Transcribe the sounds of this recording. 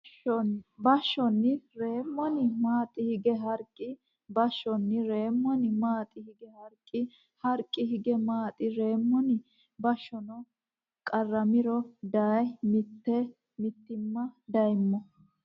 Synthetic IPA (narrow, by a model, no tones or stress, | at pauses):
ɔnbɐʃːɔnːɪɾe̞ːmːɔnɪmaːt̪ʼːɪhɪɡɛɦɐɾkʼːɪ | bɐʃːɔnːɪɾe̞ːmːɔnɪmaːt̪ʼɪhɪɡɛhɐɾkʼːɪ | hɐɾkʼːɪɦɪɡɛmaːt̪ʼɪɾe̞ːmːɔnɪ | bɐʃːɔnɔ | kʼɐrːɐmɪɾɔd̪ɐjmɪt̪ːɛ | mɪt̪ːɪmːɐd̪ɐjmːɔ